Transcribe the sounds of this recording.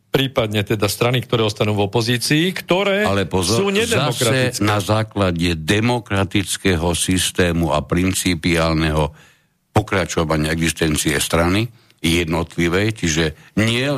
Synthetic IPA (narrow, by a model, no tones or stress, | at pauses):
pɾiːpad̪ɲɛt̪ɛd̪ast̪ɾanikt̪ɔɾɛːɔst̪anuːvɔpɔziːt͡siːkt̪ɔɾɛːalɛpɔzɔuːɲɛd̪ɛaɔsɾaɛnazaːklaɟɛd̪ɛmɔkɾat̪it͡skɛɦɔsist̪ɛːmua̰pɾint͡sipiaːlnɛɦɔ | pɔkɾat͡ʃɔʋaɲɪaɛɡzist̪ɛnt͡siɛst̪ɾani | jɛd̪nɔt̪liʋɛjt͡ʃiʒɛɲɪɛ